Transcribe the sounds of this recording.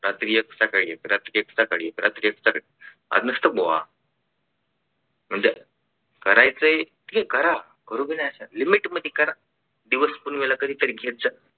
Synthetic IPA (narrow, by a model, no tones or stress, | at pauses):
ɾat̪ɾijəksakaɽieɾat̪ɾijəksakaɽiɾat̪ɾijəksaki | a̰d͡znəst̪əboʋa̰ | m̤əɳd͡ze | kəɾajt͡səe | t̪kekəɾa | kəɾubinaəsalimiʈməd̪ʱːjekəɾa | d̪iʋəspunʋelakəd̪ʱiːt̪əɾiɡʱet̪̚d͡za